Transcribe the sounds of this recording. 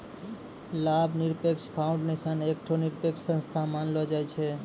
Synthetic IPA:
labʱniɾpekʃkʰaʊ̃ɳɖnesənek̚ʈʰoniɾpekʃsə̃nst̪ʰamanlɔd͡ʒajt͡ʃʰe

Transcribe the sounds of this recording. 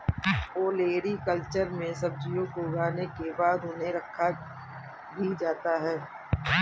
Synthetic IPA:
oːleːɾikəlt͡ʃəɾmẽsɐb̚d͡ʒijõkoɡaːnekebaːd̪ɦʊnɦẽɾɐkʰːa | bʱid͡ʒaːt̪aɦɛː

